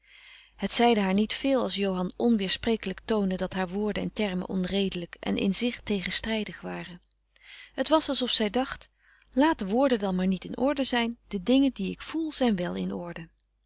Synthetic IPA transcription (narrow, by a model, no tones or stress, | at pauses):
ɦətsɛjdəɦaːɹnitfɪːlˠɑ̰lˠs̬jowɦɑnʔɔnʋɪːɹsprejkələktowndədɑtɦaːɹʋʊːɹdəɛ̰ntɛɹmə̰nʔɔnrejdələkʔɛ̰nʔɪ̰nzɪχtejχənstrɛjdəχʋaːrə | ɦətʋɑsɑlˠsɔfsɛjdɑχt | laːt̚dəʋʊːɹdədɑnmaːɹnitɪnʔɔɹdəzɛjnd̥ədɪŋəndiɪkfulˠz̥ɛjnʋɛlˠɪ̰nɔ̰ɹdə